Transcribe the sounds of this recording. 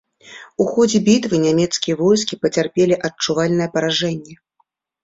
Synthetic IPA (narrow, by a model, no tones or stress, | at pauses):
uxɔd͡zʲɛbʲit̪vɨnʲamʲɛt̪skʲijɐvɔjskʲipɐt͡sʲarpʲelʲiʔɐt͡ʂuvalʲnɐjɛpɐɾaʐɛnʲːɛ